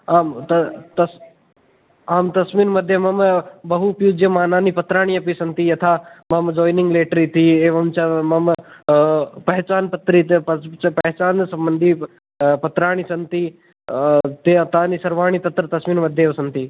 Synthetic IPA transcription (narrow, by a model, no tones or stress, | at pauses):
aːmt̪ɐt̪ɐs | aːmt̪ɐsmiːnmɐd̪ʱjɐmɐmbɐɦupjuːd͡ʒjɐmaːnaːnipɐt̪ɾaːɽ̃ijɐpisɐnt̪ijɐt̪ʰamɐmd͡ʒoːjnɪ̃ŋɡleːʈɾiːt̪ʰieːʋɐmt͡ʃɐmɐm | pɐɦt͡ʃaːnpɐt̪ːɾiːt̪pɐɦt͡ʃaːnsɐmbənd̪ʱi | pɐt̪ɾaːɽ̃isɐnt̪iː | t̪eɐt̪ʰaːnisɐɾʋaːɳ̃it̪ɐt̪ɾɐt̪ɐsmiːnmɐd̪ʱjeːʋɐsɐnt̪iː